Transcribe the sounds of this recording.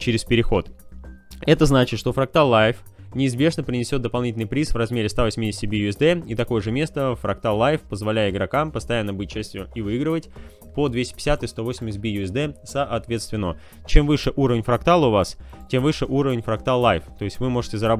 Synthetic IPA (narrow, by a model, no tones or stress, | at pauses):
t͡ɕɪɾʲɪspʲɪɾʲɪxo̞t̪ | ɛt̪əznat͡ɕɪt̪ʂt̪o̞fɾɐk̚t̪alˠːajf | nʲɪːzbʲe̞ʐnəpɾʲɪnʲɪsʲo̞t̪d̪əpɐlˠnʲitʲlʲnɨɪpɾʲisvrɐzmʲeɾʲɪst̪avɐsʲmʲidʲɪsʲtʲɪbʲijʊɪzd̪ɛit̪ɐko̞jəʐɨmʲe̞st̪əfɾɐkt̪alˠːajfpəzvɐlʲæjɪɪɡɾɐkampəst̪ɐjanːəbɨt̚ʲt͡ɕːæsʲtʲjʊivɨiɡɾəvətʲ | pod̪vʲesʲtʲɪ̥pʲɪ̥sʲat̪ɨst̪o̞vo̞sʲɪmʲɪs̬̚ʲbʲijʊɪzd̪ɛsəʔɐt̪vʲe̞t̪st̪vʲɪnə | t͡ɕe̞mvɨʂɨʔuɾəvʲɪnʲfɾɐkt̪alˠəʊvas | tʲe̞mvɨʂɨʔuɾəvʲɪnʲfɾɐk̚t̪alˠːajft̪o̞jɪsʲtʲvɨmo̞ʐɨtʲɪzəɾɐb